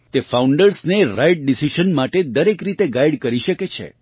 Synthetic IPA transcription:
t̪efauɳɖəɾsneɾajʈ̚ɖisiʃənmaʈed̪əɾekɾit̪eɡajɽkəɾiʃəket͡ʃʰḛ

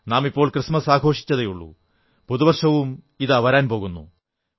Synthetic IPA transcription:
naːmipːo̞ːɭkrɨʂmɐsaːɡʱo̞ːʂi̥t͡ɕːɐðejuɭːṵ | puðuʋɐrʂɐʋum | iðaʋɐɾaːnpo̞ːɣunːṵ

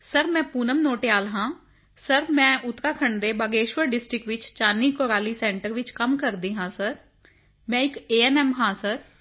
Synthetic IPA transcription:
səɾmɛ̃ːpuːnəmnoːʈejaːlɦãː | səɾmɛ̃ːʔʊt̪ːɾaːkʰəɳd̪eːbəɡeːʃʋəɾɖɪsʈɾɪkʋɪt͡ʃt͡ʃaːniːkoːɾaːliːsɛ̃ːɳʈəɾʋɪt͡ʃkəmkəɾd̪iːɦãːsəɾ | mɛ̃ːɪkeːɛːnɛːmɦãːsəɾ

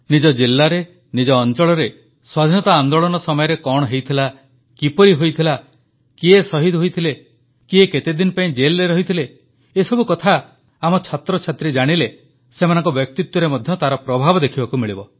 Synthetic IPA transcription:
nid͡ʒɔd͡ʒilːaɾe | nid͡ʒɔːnt͡ʃɔɭɔɾe | swad̪ʱinɔt̪aːnd̪oɭɔnɔsɔmɔjɔɾekɔɽ̃ɔɦejt̪ʰila | kipɔɾiɦojt̪ʰila | kiesɔɦid̪ɦojt̪ʰile | kieket̪ed̪inpaĩd͡ʒelːeɾɔɦit̪ʰileː | sɔbukɔt̪ʰa | amɔt͡ʃʰat̪ɾɔt͡ʃʰat̪ɾid͡ʒaɽ̃ile | semanɔŋkɔbjɔk̚t̪it̪wɔɾemɔd̪ʱjɔt̪aɾɔpɾɔbʱabɔd̪ekʰibakumiɭibɔ

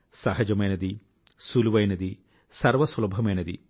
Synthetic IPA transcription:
sɐɦɐd͡ʒɐmɐjnɐd̪i | suluʋɐjnɐd̪i | sɐɾʋɐswlɐbʱɐmeːnɐd̪ḭ

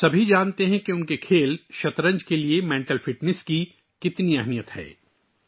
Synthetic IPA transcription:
sɐbʱid͡ʒaːnt̪eɦɛ̃keʊnkekʰeːlʃɐt̪ɾə̃ɲd͡ʒkeliemɛ̃ːɳʈəlfʰɪʈnɛski | kɪt̪niɛɦnijət̪hɛ̰ː

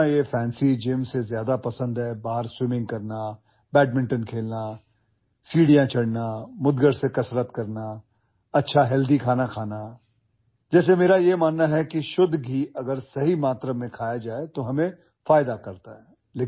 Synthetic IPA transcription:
ajefɛ̃ːnsid͡ʒeːmsezjaːd̪apɐsə̃nd̪ɦɛbaːɦəɾswɪmɪ̃ŋɡ̚kɐɾna | bɛːʈ̚mɪ̃ɳʈənkʰeːlna | siːɽijãt͡ʃʰɐɽnamʊd̪ɡəɾsekɐsɾət̪kɐɾna | ɐtːʃʰaɦɛld̪ikʰaːnakʰaːna | d͡ʒɛːs̬emeːɾajemaːnːaɦɛkiʃʊd̪ɦiɐɡəɾsɐɦimaːt̪ɾəmẽkʰaːjad͡ʒaːet̪oɦɐmẽ | faːjd̪akɐɾt̪aɦɛː | leː

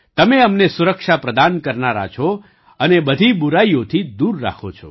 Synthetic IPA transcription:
t̪əmeəmnesuɾəkʃapɾəd̪ankəɾnaɾa̰t͡ʃʰo | ənebəd̪ʱibuɾaijot̪ʰid̪uɾːa̰kʰot͡ʃʰo̰

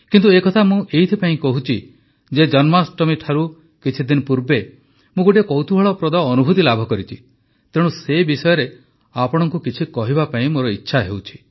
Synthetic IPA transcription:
kint̪uekɔt̪ʰamũʔejt̪ʰipaĩkɔɦut͡ʃʰi | d͡ʒed͡ʒɔnmasʈɔmiʈʰaɾu | kit͡ʃʰid̪inɔpuɾbe | mũɡoʈ̬ekɔwt̪ʰubʱaɭɔpɾɔd̪aːnubʱut̪ilabʱɔkɔɾit͡ʃʰi | t̪eɽ̃ũsebisɔjɔɾe | apɔɽ̃ɔŋkukit͡ʃʰikɔɦibapaĩmoɾɔitːʃʰaɦewt͡ʃʰi̥

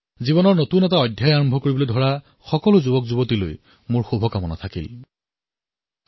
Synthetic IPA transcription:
ziβɔnɔɹnotunɛtaɔjdʱjajaɹɔmbʱɔkoɹibɔlojdʱɔɹa | xɔkɔlʊzubɔkzubɔtiloj | mʊɹxobʱɔkamɔna̰tʰakḭl

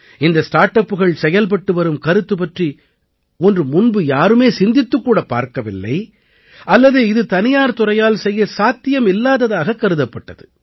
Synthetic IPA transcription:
ɪnd̪ɐsʈaːɾʈːɐpːɯɣɐɭsɛjɐlp̬ɐʈːɯʋɐɾɯmkɐɾɯt̪ːɯpɐʈri | ɔndrɯmʊnbɯjaːɾɯmeːsɪnd̪ɪt̪ːɯkːuːɽɐpːa̰ːɾkɐʋɪlːɐ̰ɪ | ʔɐlːɐðɯɪðɯt̪ɐnɪjaːɾt̪ʊɾɐjaːlsɛjːɐsaːt̪ːɪjɐmɪlːaːðɐðaːɣɐkːɐɾɯðɐpːɐʈːɐðɯ

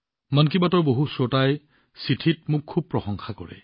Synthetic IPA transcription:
mankibatɔɹboɦusɔtaj | sitʰitmʊkʰːub̚pɹɔxɔŋxakɔɹɛ̰

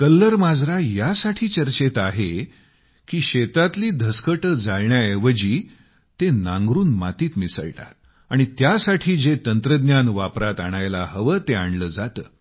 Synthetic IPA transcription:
kəlːəɾmad͡zɾajasaʈʰiːt͡ɕəɾt͡ɕet̪aɦe | kiːɕet̪at̪liːd̪ʱəskəʈəd͡zalɳjaeʋəd͡ʑiː | t̪enãŋɡɾuːnmat̪iːt̪misə̰ɭʈa̰t̪̚ | aɽ̃it̪jasaʈʰiːd͡zet̪ənt̪ɾəd̪njanʋapɾat̪aɽ̃ajlaɦəʋəːt̪eaɳləːd͡zat̪ə̰ː

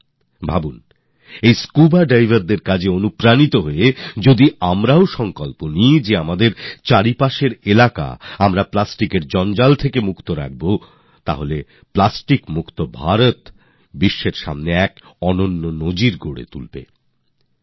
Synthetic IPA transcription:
bʱabun | ejskubaɾɖajvʱaɾd̪eɾkad͡ʑʱeonupɾanit̪oɦoed͡ʑod̪iamɾaoʃɔŋkolponijd͡ʑeamad̪eɾt͡ɕaɾipaʃeɾelaka̰amɾaplasʈikeɾd͡ʑɔnd͡ʑalt̪ʰekemukt̪oɾa̰k̚bo | t̪a̰ɦole | plasʈikmukt̪obʱaɾot̪ | biʃːeɾʃa̰mneɛkɔnonːonod͡ʑiɾɡʱoɽḛt̪ulbḛ

